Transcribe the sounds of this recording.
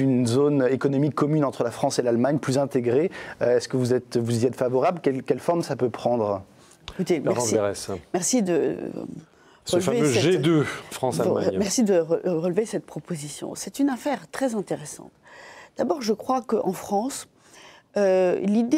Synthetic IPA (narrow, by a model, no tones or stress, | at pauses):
ynzonekɔnɔmikʰːɔmynɑ̃t̪χəlafχɑ̃selalmaɲplyzɛ̃t̪eɡʁeøɛskəvuzɛt̪vuziɛt̪favɔʁablkʲɛlkʲɛlfɔʁmsapøpχɑ̃d̪ʁ | ekut̪emɛʒɑ̃ɛʁɛsmɛʁsid̪ə̰ | ʁəlfaveøɛʒed̪øfχɑ̃samɛʁsid̪əʁəʁəlvesɛt̪̚pχɔpozisjɔ̰̃sɛt̪ynafɛʁt̪χɛzɛ̃t̪eʁesɑ̰̃t̪d̪̥abɔʁʒəkχwakəʔɑ̃fχɑ̃s | ølid̪e